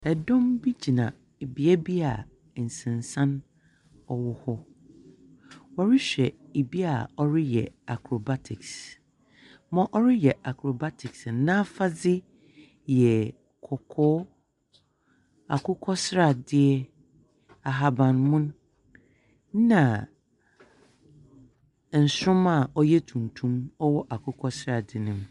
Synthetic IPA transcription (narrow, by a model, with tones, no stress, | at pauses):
ɛ˨dɔ̃˦mbi˦d͡ʑi˨nã̰˨ | e˨bi˨ɛ˦bi˦a˨ | n̩˨sɪ̃˨nsã˦n | ɔ˨wʊ˦hɔ˦ | wa˨ɾɪ˦ɕᶣɛ˨e˨bi˦a̰˨ɔ˦ɾɪ˦jɛ̰˨a˨kʰɾo˨ba˦tʰɪ˨ks | mɔ̃˦ʔɔ˦ɾɪ˦jɛ˨ʔa˨kʰɾo˨ba˦tʰɪ˨ksnã˦fa˦d͡zɪ˦ | jɛ˨ | kʰɔ˨kʰɔː˦ | a̰˨kʰʊ˦kʰɔ˦sɾa˦˨dɪ˦ɛ˦ | a˨ɦa˨bã˨nmʊ̃˦ñ˦ | nã˨ | n̩˨sʊ̃˦ma˨ɔ˦jɛ˦tʰũ˨ntʰũ˦mɔ˦wɔ˦ʔa˨kʰʊ˦kʰɔ˦sɾa˨dɪ˨nɪ̃˨m